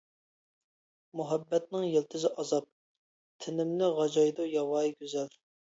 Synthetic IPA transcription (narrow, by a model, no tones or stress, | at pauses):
muɦɛbːɛt̪̚nɪŋjelt̪ʰɪzɪʔɑzɑp̚ | t̪ʰɪnɪmnɪʁɑd͡ʒɑjd̪ujɑwɑːjɡʲøzɛl